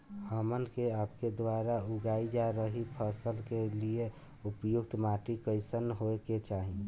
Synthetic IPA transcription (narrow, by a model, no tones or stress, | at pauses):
həmənkeapked̪ʋaɾauɡaid͡ʒaɾəɦipʰəsəlkelie | upjuɡt̪maʈikəɪsənɦoeket͡ʃaːɦi